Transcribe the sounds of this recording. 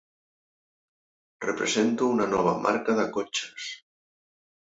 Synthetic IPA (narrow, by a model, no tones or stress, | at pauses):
rḛpɾḛsent̪uunanɔβ̞a̰mʔa̰ɾkaðakot͡ʃḁs